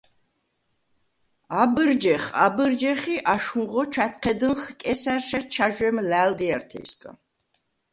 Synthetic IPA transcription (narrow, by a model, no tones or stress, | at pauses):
abɨɾd͡ʒɛχabəɾd͡ʒɛχiʔaʃuʁɔt͡ʃʰat̪̚ʰqʰɛd̪ənχkʼɛsæɾʃaɾt͡ʃʰaʒwɛmlæːld̪iaɾt̪ʰḭskʼa̰